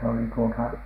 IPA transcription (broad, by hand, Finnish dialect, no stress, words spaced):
se oli tuotɑ